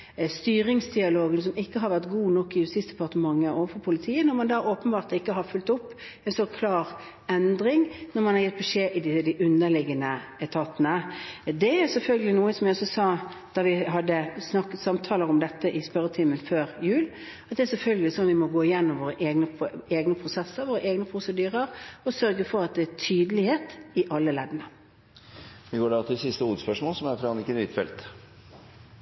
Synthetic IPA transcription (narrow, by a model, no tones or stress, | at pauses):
st̪yːɾɪŋsd̪ɪɑloːɡəns̬ɔmɪkːəɦɑɾʋæɾt̪ɡuːnɔkːɪjʉst̪ɪːsd̪ɛpɑɾt̪əmɑŋːəoːʋəfɔpʰʊlɪt̪ʰiːənɔɾmɑnd̪ɑːoːpənbɑːɾt̪lɪkːəɦɑɾfʉlt̪ɔpː | ɛnsɔkʰlɑːɾ | ɛnd̪ɾɪŋnɔɾmɑnhɑɾjɛt̪̚bɛʂeːʔɪd̪ɪd̪ɪʔʉnːəlɪɡənəɛt̪ʰɑt̪ːənəd̪ɛæɾsɛlfœlɡəlɪnuːəsɔmjæɔsɔsɑː | d̪̥ɑɾʋɪɦɑd̪ːəsnɑkːət̪sɑmt̪ʰɑːləɾɔmd̪ɛt̪ːəʔɪspœɾət̪ʰɪməlføːɾjʉːl | ɑt̪d̪ɛæɾsɛlfœlɡəlɪsɔnʋɪmɔɡoːɪjɛnːɔmʋoːɾəʔeːɡnəeːɡnəpʰɾʊsɛsːəɾʋoːɾəʔeːɡnəpʰɾʊsəd̪yːɾəɾɔsœɾɡəfɔɾɑt̪̚d̪ɛæt̪ʰyːd̪əlɪheːt̪ɪʔɑlːəlɛd̪ənə | ʋɪɡoːɖæɑt̪ʰɪlsɪst̪əuːəd̪spœʂmoːlsɔmæɾfɾɑɑnɪkːənʋɪt̪fɛ̰lt̪